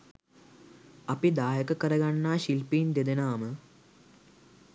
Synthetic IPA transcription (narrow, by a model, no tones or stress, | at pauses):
ɐpid̪aːɦəkəkəɾəɡanːaːʃilpiːnd̪ed̪enaːmə